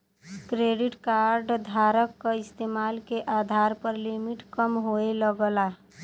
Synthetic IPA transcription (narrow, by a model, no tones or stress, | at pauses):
kɾeɖɪʈkaɾɖd̪ʱaːɾəkːaɪst̪eːmaːlkeʔad̪ʱaːɾpəɾlimiʈkəmɦoeləɡəla